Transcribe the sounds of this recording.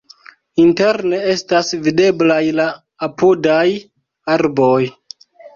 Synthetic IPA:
inte̞ɾne̞e̞stasvide̞blajlaː | pudaj | aɾbo̞j

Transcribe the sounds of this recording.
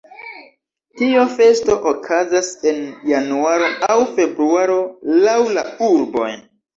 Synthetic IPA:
tiofe̞sto̞ʔokʰazase̞njanuaɾo̞awfe̞bɾuaɾo̞lawlauɾbo̞̰j

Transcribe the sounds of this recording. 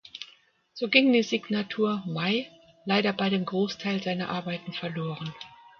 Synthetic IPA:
z̥oːɡɪŋd̥iːziɡnatʰuːɐmaɪ | laɪdɐbaɪɾeːmɡʁoːstʰaɪlzaɪnɐʔaɐbaɪtn̩fɛɐloːʁ̞ən

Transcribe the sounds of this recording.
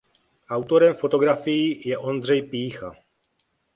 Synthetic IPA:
ʔawt̪oɾɛmfot̪oɡɾafijijɛʔond̪r̝ɛjpiːxa

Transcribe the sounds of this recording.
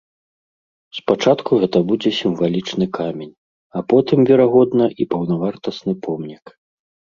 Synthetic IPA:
spat͡ʂat̪kuɣɛt̪ɐbud͡zʲɛsʲimvalʲit͡ʂnɨkamʲenʲ | apɔt̪ɨmvʲɛɾaɣɔd̪nɐʔipɐwnavart̪ɐsnɨpʰɔmnʲik

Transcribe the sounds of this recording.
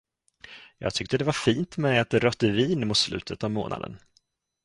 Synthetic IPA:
jɑ̰ːɡ̚t̪ʰʏk̚t̪əd̪ɛvaɾfiːnt̪mɛjat̪ɾœt̪ːəviːnmʊt̪slʉ̟̰ːt̪ʰət̪avmoːna̰d̪ə̰n

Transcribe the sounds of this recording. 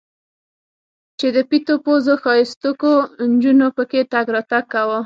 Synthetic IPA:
t͡ʃed̪əpit̪opozoxɑjest̪ukond͡ʒunopəket̪aɡɾɑt̪aɡ̚kawə

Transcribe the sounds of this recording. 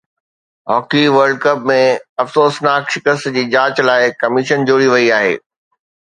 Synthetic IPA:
ɦɔːkiʋɐɾɖ̚kɐp̚mẽɐfsoːsnaːkʃɪkəst̪d͡ʑiːd͡ʑãːt͡ɕlaːɪkɐmɪʃənd͡ʑoːɾiʋɐiaːɦḛː

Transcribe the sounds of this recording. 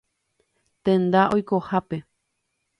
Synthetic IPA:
t̪ẽ̞nd̪aʔo̞jko̞hape̞

